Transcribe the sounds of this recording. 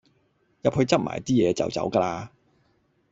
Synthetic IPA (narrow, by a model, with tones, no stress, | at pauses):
jɐ˨p̚hɵ˧ɥt͡sɐ˥t̚ma̰ː˨˩jt̪iː˥jɛː˨˧t͡sɐ̰˨wt͡sɐ̰˨˥wkaː˧laː˧